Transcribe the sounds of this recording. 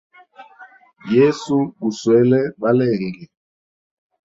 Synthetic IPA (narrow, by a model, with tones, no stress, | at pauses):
jɛ˦su˦ɡu˨swɛ˨˦lɛ˦ɓa˦lɛː˨ŋɡɛ˨